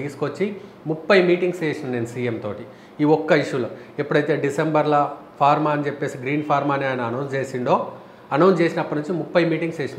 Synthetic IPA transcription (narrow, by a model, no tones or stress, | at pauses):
iːsu̥kot͡ʃːi | mupːɐjmiːʈiŋɡseːʃɐnne̞ːnɐsiːemt̪o̞ːʈi | iːɔkːɐiʃulɐːepːuɽɐjt̪e̞ːɖisembɐɾlɐ | pʰaːɾmaːɐnit͡ʃepːe̞ːsiɡɾiːnpʰaːɾmaːneːjnɐɐnɐwnst͡ʃeːsiɳɖo̞ː | ɐnɐwnst͡ʃe̞ːsinɐpːɐnuɲt͡ʃːimupːɐjmiːʈiŋɡseːʃɐn